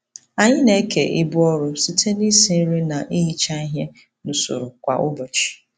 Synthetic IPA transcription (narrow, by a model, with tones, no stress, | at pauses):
a˨ɲɪ˦ne˨˦kḛ˨ʔɪ˦bʊ˦ɔ˦ɾʊ˦si˦tʰe˦ni˦si˦n̩˦ɾi˦na˨ʔi˦ɦi˦t͡ʃa˦i˦ɦe˦ | nʊ˨sʊ̰˨ɾʊ˨kʷa˨ʔʊ˦bo˨t͡ʃi̥˨